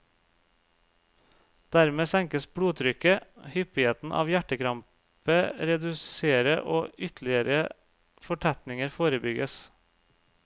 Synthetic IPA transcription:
d̪̥æɾmeːsæŋkəsbɽuːt̪ʰɾʏkəhʏpɪeːt̪n̩ʔɑ̰ːʋjæʈəkʰɾɑmp | əɾɛd̪ʉseːɾəʔo̰ːʔʏt̪ʰlɪəɾə | fɔʈʰæt̪nɪŋəɾfoːɾəbʏɡəs

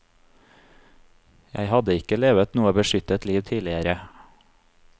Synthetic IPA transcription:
jæ̰ɪhɑd̪əɪkəleːʋət̪nuːəbəʃʏt̪ət̪liːʋt̪ʰiːlɪəɾə

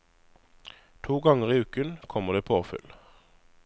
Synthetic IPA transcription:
t̪ʰuːɡɑŋəʁiːʉːkənkʰɔməʁd̪eːpʰoːfʏ̰l

